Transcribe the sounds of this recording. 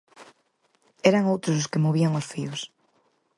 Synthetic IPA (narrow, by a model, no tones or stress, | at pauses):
ɛɾaŋowt̪ɾʊsʊskemoβiaŋʊsfiʊs